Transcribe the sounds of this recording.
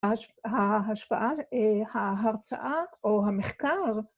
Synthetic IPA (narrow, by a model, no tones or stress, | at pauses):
ɦaɦaʃpa̰ʔaehaɦaʁt͡sa̰ʔaoɦameχkaʁ